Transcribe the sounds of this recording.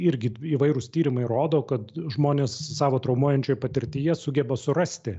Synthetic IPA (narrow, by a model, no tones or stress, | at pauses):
ɪɾʲɡʲɪiːʋɐɪɾʊst̪ʲiːɾʲɪmɐɪɾoːd̪oːkɐt̪ʒmoːnʲeːssɑːʋoːt̪ɾɒʊmuɔjɛnʲt͡ʃʲoːjɛpɐt̪ʲɪɾʲt̪ʲiːjɛsʊɡʲɛbɐsʊɾɐsʲt̪ʲɪ